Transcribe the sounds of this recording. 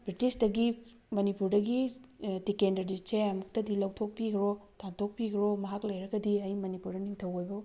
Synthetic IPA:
bɾitisdɐɡi | mɐnipuɾdɐɡitikendɐɾdit͡ʃʰeɐmuk̚tɐdilɐwtʰok̚piɡɾotʰantʰok̚piɡɾomɐɦaklajɾɐɡɐdiɐjmɐnipuɾdɐniŋtʰɐwojbo

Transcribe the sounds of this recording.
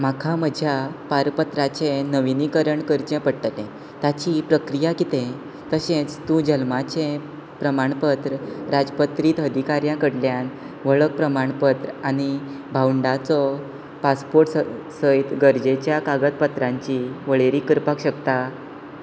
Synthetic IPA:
makʰaməd͡ʑʱjapaɾpət̪ɾat͡ɕẽnəʋinikəɾəɳkəɾd͡ʑẽpəɽʈ̪əlẽ | t̪at͡ɕipɾəkɾijakit̪ẽ | t̪əɕẽt͡st̪ũd͡ʑəlmat͡ɕẽ | pɾəmaɳpət̪ɾəɾad͡zpət̪ɾiːt̪əd̪ʱikaɾjãkəɽljan | ʋəɭək̚pɾəmaɳpət̪ɾañi | bʱawɳɖat͡sɔ | paspoɾʈssəjt̪ɡəɾd͡ʑet͡ɕjakaɡət̪pət̪ɾãɲt͡ɕiʋəɭeɾikəɾpakɕəkt̪a

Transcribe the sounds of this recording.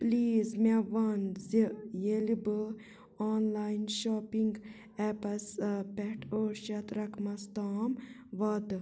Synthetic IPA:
pliːzmeʋɐnzijelibɨ | ɔːnlaːjnʃɔːpiŋɡ | ɛpɐspɛʈʰoːɾʃɐt̪ɾɐkʰmɐst̪aːmʋɐd̪

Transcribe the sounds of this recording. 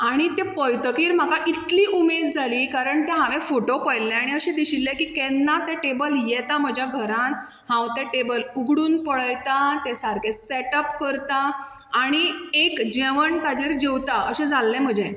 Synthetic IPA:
aɽ̃it̪ẽpəjt̪əkiːɾm̤akaʔit̪liːʔumed̪̚d͡zʱaliːkaɾəɳt̪ɛɦaʋefoʈopəjlːɛ̃aɽ̃iəɕẽd̪iɕilːɛkiːkɛnːat̪ɛʈebəljɛt̪am̤əd͡ʑʱjaɡʱəɾãn | ɦãwt̪ɛ̃ʈebəluɡʱɽuːnpəɭəjt̪at̪ɛsaɾkeseʈəpkəɾt̪aː | ɽ̃iekd͡ʑeʋəɳt̪ad͡ʑeɾd͡ʑewt̪aəɕɛ̃d͡zalːɛ̃m̤əd͡ʑe

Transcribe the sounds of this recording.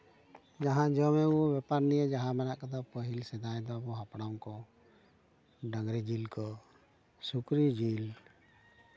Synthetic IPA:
d͡ʒaɦãd͡ʒɔmɛuɔbɛpaɾnijəd͡ʒaɦãmɛnaʔkad̪apəɦilsɛd̪ajd̪ɔabɔɦapɽawkɔ | ɖaɡɾid͡ʒilkɔ | sukɾid͡ʒil

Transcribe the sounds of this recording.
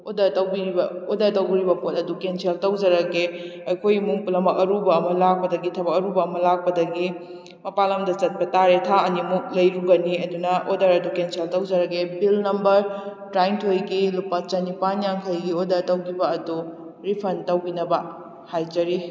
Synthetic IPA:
odɐɾtɐwbiɾibɐodɐɾtɐwɾibɐpotɐdukensʰeltɐwd͡ʒɐɾɐɡeɐjkʰojimuŋpulɐmɐk̚ɐɾubɐːmɐlak̚pɐdɐɡitʰɐbɐk̚ɐɾubɐːmɐlak̚pɐdɐɡi | mɐpalɐmdɐt͡ʃɐt̚pɐtaɾetʰaɐnimuk̚lɐjɾuɡɐniɐdunɐʔodɐɾɐdukensʰeltɐwd͡ʒɐɾɐɡebilnɐmbɐɾtɾajntʰojɡilupɐt͡ʃɐnipanjaŋkʰɐjɡiodɐɾtɐwɡibɐːdu | ɾipʰɐntɐwɡinɐbɐ | hajd͡ʒɐɾi

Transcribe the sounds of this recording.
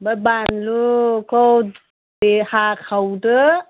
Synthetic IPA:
babanlukʰɔ | dehakʰawdɯ

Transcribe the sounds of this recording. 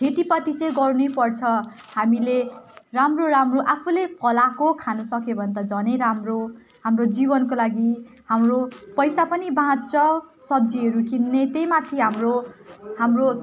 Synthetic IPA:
kʰet̪ipʌt̪it͡sʌ̃j̃ɡʌɾunepʌrt͡sʰʌ | hamileramroɾamroʔapʰulepʰʌlakokʰanusʌkebʱʌnt̪ʌd͡zʌneɾamro | ɦamrod͡zibʌnkolaɡi | hamropʌjsapʌnibãt͡sʌsʌb̚d͡ziʌɾukinːet̪ejmat̪ʰiɦamrohamro

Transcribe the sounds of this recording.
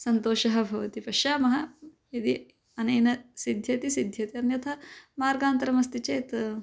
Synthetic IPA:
sɐnt̪oːʃɐɦɐ̆bʱɐʋɐt̪ipɐʃjaːmɐɦɐ | jɐd̪i | ɐnɐjnɐsid̪ʱjɐt̪isid̪ʱjɐt̪iɐnjɐt̪ʰɐmaːɾɡaːnt̪ɐɾɐmɐst̪it͡ʃɐːt̪

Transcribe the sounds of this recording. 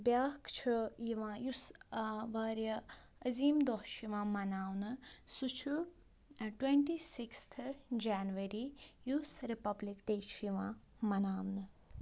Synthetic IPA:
bjaːkt͡ʃʰujiʋãːjusʋaːɾjɐ | ɐziːmd̪ɔɦʃiʋãːmɐnaːwnɨsut͡ʃʰu | ʈweɳʈisikst̪ʰd͡ʒaːnʋɐɾijusɾipɐblikʈejt͡ʃʰjiʋãː | mɐnaːwnɨ

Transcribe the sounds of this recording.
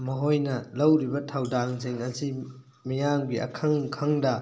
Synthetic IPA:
mɐɦojnɐlɐwɾibɐtʰawdaŋzeŋɐzi | mijaŋɡiʔa̰kʰɐŋkʰɐŋdɐ

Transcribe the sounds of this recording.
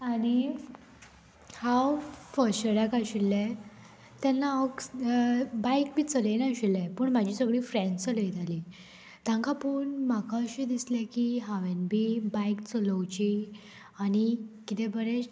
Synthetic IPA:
aɽ̃i | hawfəɾɕəɽakaɕilːɛ | t̪janːaək | bajk̚bʱiːt͡səlenaɕilɛ̃pəɳmad͡ʑʱiːsəɡɭiːfɾɛ̃nt͡sələjt̪ali | t̪jãŋkapəɳmakaəɕid̪islɛkiɦaʋenbʱiːbajkt͡sələwt͡ɕi | aɽ̃ikit̪ebəɾe

